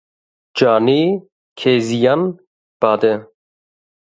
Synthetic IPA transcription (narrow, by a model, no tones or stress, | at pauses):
d͡ʒaːniː | kʰeːzijan | b̥aːd̪ɛ